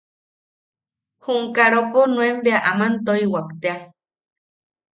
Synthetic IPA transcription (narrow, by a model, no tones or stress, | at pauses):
huŋkaɾoponũembeaʔamant̪oiwakt̪ea